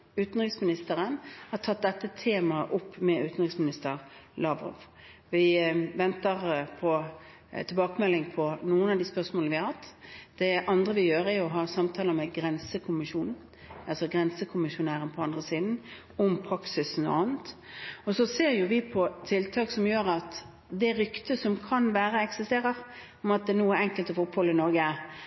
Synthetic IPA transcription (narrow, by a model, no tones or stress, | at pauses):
ʉːt̪nʁɪksmɪnɪst̪əɾənhɑʈ̪ʰɑt̪̚d̪ɛt̪ːət̪ʰeːmɑəʔʊpːmɛʉːt̪n̩ʁɪksmɪnɪst̪əɾlɑʋʁɔ̰ʋ | ʋɪʋɛnt̪əʁpʰɔ | t̪ʰɪlbɑːkəmɛlːɪŋpʰɔnuːənɑʋd̪iːspœʁsmoːlnəʋɪɑhɑt̪ːd̪̥ɛʔɑnd̪ʁəʋɪjøːɾæɾjʊɦɑːsɑmt̪ʰɑːləmɛɡɾɛnsəkʰʊmɪʃuːnn̩ | ɑlsɔɡɾɛnsəkʰʊmɪʃʊnæːɾənpʰɔɑnd̪ʁəsiːd̪n̩ | ɔmpʰɾɑksɪsnɔ̰ɑːn̩t̪ | ɔsɔseːɾjʊʋɪpʰɔt̪ʰɪlt̪ʰɑːksɔmjøːɾɑt̪ | d̪ɛɾʏkt̪əsɔmkʰɑnʋæːɾəɛksɪst̪eːʁəʁ | ɔmɑt̪̚d̪ɛnuːæɾɛŋkəlt̪ɔfʊphɔlɪnɔɾɡə